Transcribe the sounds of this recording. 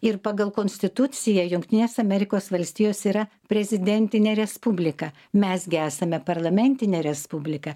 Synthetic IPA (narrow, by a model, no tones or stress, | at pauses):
ɪɾpɑɡɐlˠkoːnʲsʲt̪ʲɪt̪ʊt̪sʲɪjɛjʊŋkt̪ʲɪnʲeːsɐmʲɛɾʲɪkoːsʋɐlʲsʲt̪ʲiːjoːsiːɾɐ | pʲɾʲɛzʲɪd̪ʲɛnʲt̪ʲɪnʲeːɾʲɛspubʲlʲɪkɐ | mʲɛsɡʲɪæːsɐmʲɛpɐɾlˠɐmʲɛnʲt̪ʲɪnʲeːɾʲɛspubʲlʲɪkɐ